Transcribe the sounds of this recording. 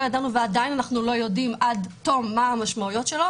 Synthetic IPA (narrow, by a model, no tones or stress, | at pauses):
jadanuveadajnanaχnulo̞jo̞dimʔadt̪o̞mːaamaʃmaujo̞t̪ʃe̞lo